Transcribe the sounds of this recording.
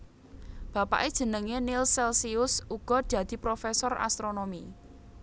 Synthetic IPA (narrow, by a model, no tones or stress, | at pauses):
b̥ä̤pa̰ʔed̥ʒ̥ə̤nəŋenɪlsɛlsiʊsuɡ̥ɔ̤d̪̥ä̤d̪̥i̤pɾofɛsɔra̰st̪ɾonomi